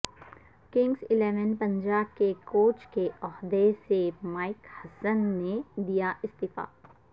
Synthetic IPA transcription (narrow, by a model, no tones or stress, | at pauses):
kɪ̃ŋɡzɪleːʋənpɐ̃ɲd͡ʒaːb̚kekoːt͡ʃkeɔɦd̪esemaːɪkhɐsənːed̪ijaʔɪst̪ɪfa̰ː